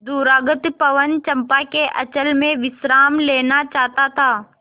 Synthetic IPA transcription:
d̪uːɾaːɡət̪pɐʋənt͡ʃɐ̃mpakeʔɐt͡ʃəlmẽʋɪsɾaːmleːnat͡ʃaːt̪at̪ʰaː

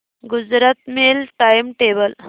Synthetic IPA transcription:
ɡʊd͡zɾət̪melʈajmʈeːbəl

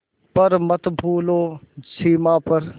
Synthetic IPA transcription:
pɐɾmɐt̪bʱuːloːsiːmaːpɐɾ

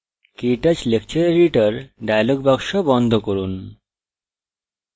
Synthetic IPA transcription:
kiʈat͡ɕlek̚t͡ɕoɾɾiʈaɾɖajloɡ̚bɔkʃobɔnd̪ʱokoɾun

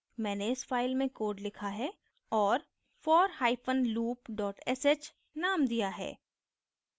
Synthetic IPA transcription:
mɛ̃ːneɪsfaːɪlmẽkoːɾɖlɪkʰaɦɛ | ɔːɾ | fɔːɾɦaːɪpʰənluːpɖɔːʈɛset͡ʃ | naːmd̪ijaɦɛ̰ː

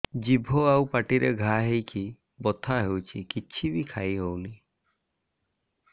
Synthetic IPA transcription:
d͡ʒibʱoawpaʈiɾeɡʱaɦejkʰi | bɔt̪ʰaɦewt͡ʃʰikit͡ʃʰibikʰajɦowni

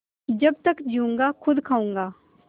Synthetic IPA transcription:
d͡ʒɐb̚t̪əkd͡ʒiũŋɡakʰʊd̪kʰaːũːŋɡaː

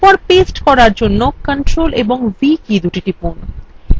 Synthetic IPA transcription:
pɔɾpesʈkɔɾaɾd͡ʑonːokəɳʈɾoleboŋvikid̪uʈiʈipun

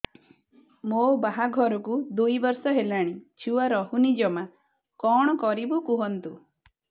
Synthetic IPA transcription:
mobaɦaɡʱɔɾɔkud̪ujbɔɾsɔɦelaɽ̃it͡ʃʰuwaɾɔɦunid͡ʒɔma | kɔɽ̃ɔkɔɾibukuɦɔnt̪u

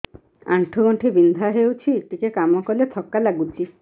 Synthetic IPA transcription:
a̰ɳʈʰuɡɔʈʰibind̪ʱaɦewt͡ʃʰiʈikekamɔkɔlet̪ʰɔkːalaɡut͡ʃʰi

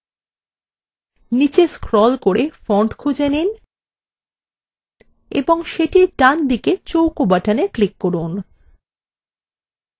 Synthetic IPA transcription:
nit͡ɕeskɾɔlkoɾefɔɳʈkʰud͡ʑenin | ḛboŋʃeʈiɾɖand̪iket͡ɕowkobaʈaneklikːoɾun

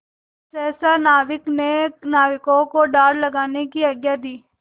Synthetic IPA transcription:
sɛːsanaːʋɪknenaːʋɪkõkoɖaːɽlɐɡaːnekiɐɡjad̪iː

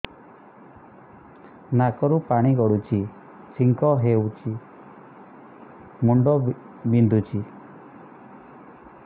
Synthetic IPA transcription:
nakɔɾupaɽ̃iɡɔɽut͡ʃʰi | t͡ʃʰiŋkɔɦewt͡ʃʰi | muɳɖɔ | bind̪ʱut͡ʃʰi

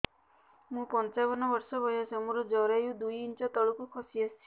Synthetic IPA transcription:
mũpɔnt͡ʃabɔnɔbɔɾsɔbɔjasemũɾɔd͡ʒɔɾajud̪ujint͡ʃat̪ɔɭukukʰɔsiasʰi

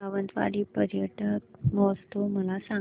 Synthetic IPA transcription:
aʋənt̪ʋa̰ɽiːpəɾjəʈəkmɔst̪oməlasa

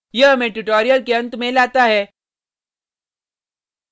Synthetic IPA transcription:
jəɦmẽʈuʈoːɾijəlkeənt̪mẽlat̪aɦɛː

